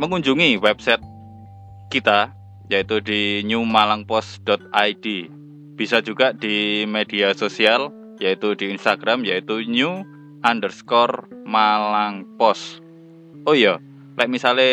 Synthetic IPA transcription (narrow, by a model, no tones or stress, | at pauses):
məŋuɲd͡ʒuŋiwɛp̚sɛt̪̚ | kit̪a | jait̪udiɲumalaŋpɔsd̥ɔt̪̚ajdi | b̥isad͡ʒuɡ̥aʔd̥imed̥iasosial | jait̪udiːnst̪aɡ̥ɾamjait̪uɲu | ʔandərskɔrmalaŋpɔs | ʔojɔ | lajʔmisale